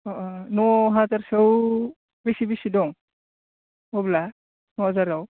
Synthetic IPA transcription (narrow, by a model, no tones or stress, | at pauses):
nɔɦazaɾsaw | bisibisidɔŋ | obla | nɔazaɾaw